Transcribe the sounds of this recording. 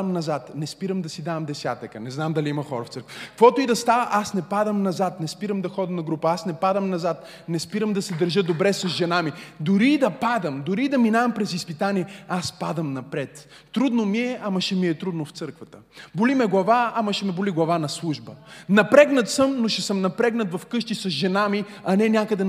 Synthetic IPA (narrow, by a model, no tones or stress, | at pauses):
mnɐzat̪nɛspiɾəmd̪ɐsid̪avɐmd̪ɛsʲjat̪əkənɛznamd̪ɐliimɐxɔɾɐft̪səɾkvəkkvɔt̪ʊid̪ɐst̪avəʔasnɛpad̪əmnɐzat̪nɛspiɾəmd̪ɐxɔd̪əmnɐɡɾupəasnɛpad̪əmnɐzat̪ | nɛspiɾəmd̪ɐsɛd̪ɐɾʒəd̪obɾɛsɐzʒɛnamid̪ʊɾid̪ɐpad̪əmd̪ʊɾid̪ɐminavɐmpɾɛzispit̪aniɛaspad̪əmnɐpɾɛt̪ː | ɾud̪nomiɛʔɐmɐʃɛmiɛt̪ɾud̪noft̪sɤɾkvɐt̪ə | bʊlimɛɡlˠɐvaːmɐʃɛmɛbʊliɡlˠɐvanɐslˠuʒbənɐpɾɛɡnɐt̪səmnoʃɛsəmnɐpɾɛɡnɐt̪vɐfkɤʃt̪isɐsʒɛnami | ɐnɛnʲakəd̪ɛ